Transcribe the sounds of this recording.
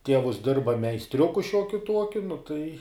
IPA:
ˈtʲiɛʋʊs ˈdʲɪrbɐ mʲɛɪsʲˈtʲrʲʊkʊ ˈʃʲuɔkʲʊ ˈtuɔkʲʊ nʊ tɐɪ

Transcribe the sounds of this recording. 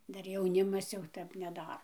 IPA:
ˈdɐr jɛʊˈnʲɪmɐs jɛʊ ˈtʲɛp nʲɛˈdɑːroː

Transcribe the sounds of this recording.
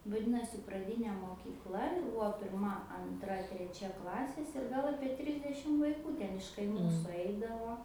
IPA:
ʋɐˈdʲɪnoːsʲɪ prɐˈdʲiːnʲeː moːkʲiːkˈlˠɐ jɛʊ ˈbʊʋoː pʲɪrˈmɐ ɐnˈtrɐ tʲrʲɛˈt͡ʃʲɛ ˈklˠɑːsʲeːs ɪr ˈɡɐlˠ ˈɑːpʲiɛ ˈtʲrʲɪzʲdʲɛʃʲɪm ʋɐɪˈkuː ˈtʲɛn ɪʃ kɐɪˈmuː sʊˈɐɪdɐʋoː

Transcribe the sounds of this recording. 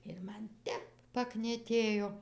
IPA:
ɪr ˈmɐn ˈtʲɛp pɐknʲiɛˈtʲeːjoː

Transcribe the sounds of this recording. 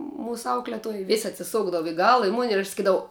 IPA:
ˈmuːsʊ ˈɐʊklʲɛtuɔj ˈʋʲeːsʲ ɐtʲsʲɪˈsʊɡdɐʋʊ ɪ ˈɡɑːlˠɐ ɪ mʊnʲ ɪr ɐʃ sɐˈkʲiːdɐʋɐʊ

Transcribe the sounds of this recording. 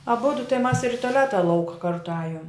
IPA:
ɐˈbʊdʊ tɐɪ mɐs ɪr ɪ toːˈlʲæːtɐ ˈlˠɐʊkɐ ˈkɐrtʊ ˈɑːjoːm

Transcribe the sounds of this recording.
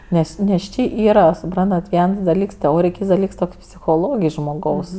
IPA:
ˈnʲɛs nʲɛs ˈt͡ʃʲeː ˈiːrɐ sʊˈprɐntɐt ˈʋʲiɛns dɐˈlʲiːks tʲɛˈoːrʲɪj ˈkʲiːts dɐˈlʲiːks ˈtoːkʲ pʲsʲɪxoːˈlˠoːɡʲɪj ʒmoːˈɡɐʊs

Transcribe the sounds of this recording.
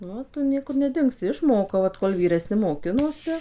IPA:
nʊ ˈoː ˈtʊ ˈnʲiɛkʊr nʲɛˈdʲɪŋksʲɪ ɪʃˈmoːkɐʊ ʋɐt koːlˠ ʋʲiːrʲɛˈsʲnʲɪ moːˈkʲɪnoːsʲɪ

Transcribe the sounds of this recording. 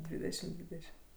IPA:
ˈdʲʋʲiːdʲɛʃʲɪm ˈdʲʋʲiːdʲɛʃʲɪm

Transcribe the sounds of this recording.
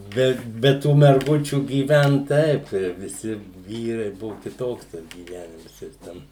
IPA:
ˈbʲɛ ˈbʲɛ ˈtuː mʲɛrˈɡʊt͡ʃʲuː ɡʲiːˈʋʲɛnt ˈtɐɪp tʲiɛ ʋʲɪˈsʲɪ ˈʋʲiːrɐɪ ˈbʊʋʊ kʲɪˈtoːks ˈtɐs ɡʲiːˈʋʲæːnʲɪms jɪs ˈtʲɛn

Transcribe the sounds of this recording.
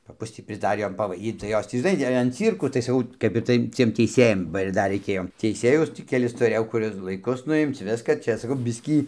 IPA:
pɐˈpʊs tʲiː pʲrʲɪzˈdɑːrʲiː ˈjoːm pɐʋɐɪˈdʲiːt tɐɪ ˈjoːs tʲiː ʒʲɪˈnɐɪ ɐn ˈt͡sʲiːrkuː tɐɪ sɐˈkɐʊ kɐp ɪr ˈtɐɪ t͡sʲiɛm tʲɛɪˈsʲeːjɛm bɐ ɪr ˈdɐr rʲɛɪˈkʲeːjoː tʲɛɪˈsʲeːjʊs ˈtʲiː kʲɛˈlʲɪs tʊˈrʲeːjɛʊ ˈkʊr ɪr lˠɐɪˈkʊs nʊˈɪmt͡s ˈʋʲɪskɐ ˈt͡ʃʲɛ sɐˈkɐʊ bʲɪsʲkʲiː

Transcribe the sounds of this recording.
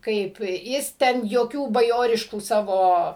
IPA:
ˈkɐɪp ˈjɪs ˈtʲɛn joːˈkʲuː bɐˈjoːrʲɪʃkuː ˈsɑːʋoː

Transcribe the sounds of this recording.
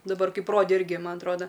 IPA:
dɐˈbɐr ˈkɐɪp ˈroːdʲeː ˈɪrʲɡʲɪ ˈmɐn ɐtˈroːdɐ

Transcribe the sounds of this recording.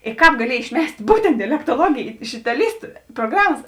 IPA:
ɪ ˈkɑːp ɡɐˈlʲiɛj ɪʃʲˈmʲɛsʲtʲ ˈbuːtʲɛnt dʲɛlʲɛktoːˈlˠuɔɡʲeːj ɪʃ ɪtɐˈlʲiːstʊ proːˈɡrɑːmɐs

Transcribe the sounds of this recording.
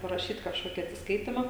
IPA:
pɐrɐˈʃʲiːt kɐʃˈkoːkʲɪ ɐtʲsʲɪsˈkɐɪtʲɪmɐ

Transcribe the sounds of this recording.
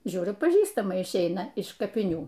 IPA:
ˈʒʲuːrʲʊ pɐˈʒʲiːstɐmɐ ɪʃʲˈɛɪnɐ ɪʃ kɐpʲɪˈnʲuː

